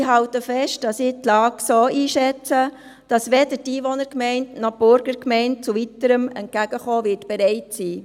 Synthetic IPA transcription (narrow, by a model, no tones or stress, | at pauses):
ɪɦɑwtəfɛʃtd̥ɑsɪtlɑːksoːiːʃɛt͡sə | d̥ɑsʋɛdətiːʋɔnəɾkmɛɪntnɑb̥ʊɾɡ̥əɾkmɛɪnt̚t͡suvitəɾəmɛ̰nt̚kæɡ̥əχoːʋɪtb̥ɛɾɛɪtsiː